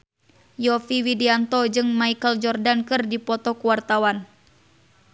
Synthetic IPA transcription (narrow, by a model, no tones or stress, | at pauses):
jɔfiwidiant̪ɔd͡ʒɨŋmaikəld͡ʒɔrdankɨrdipɔt̪ɔkuwart̪awan